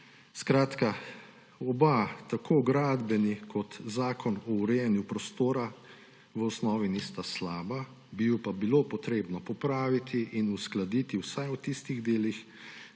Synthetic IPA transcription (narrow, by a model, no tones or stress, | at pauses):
skɾaːt̪ka | ɔbat̪akʰoɡɾad̪bɛnikʰɔt̪zaːkʰɔnɔuɾɛjɛnjupɾɔst̪oːɾa | ʋəɔsnɔːʋinist̪aslaːba | biwpabilopɔt̪ɾeːbnɔpɔpɾaːʋit̪ʰiʔinusklad̪it̪iwsajut̪ist̪iɣd̪eːlix